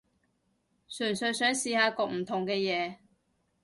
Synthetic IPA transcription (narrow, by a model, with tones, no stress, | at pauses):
syː˨˩nsɵ˨˧ɥsœː˨˥ŋsiː˧haː˨˧kɔː˧k̚m̩˨˩t̪ʰʊ˨˩ŋkɛː˧jɛː˨˧